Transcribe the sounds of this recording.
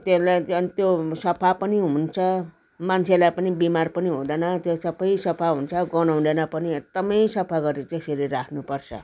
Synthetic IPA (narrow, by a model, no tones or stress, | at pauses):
t̪eslaʌnt̪josʌpʰapʌniɦunt͡sʰʌ | mant͡sʰelajpʌnibimarpʌniɦũd̪ʌnʌt̪esʌpʰʌjsʌpʰaɦunt͡sʰʌɡʌnaw̃d̪enapʌniʌd̪ʌmʌjsʌpʰaɡʌɾet̪eseɾiɾakʰnupʌrt͡sʰʌ̰